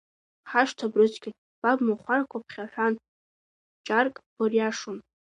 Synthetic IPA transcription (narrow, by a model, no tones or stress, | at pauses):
ħaʂtʰabrɨt͡sʰʼɡʲɪ | b̥abmaχʷarkʷʰapʰχʲaħʷᶣan | t͡ʃʼarkʼb̥orjaʂʊn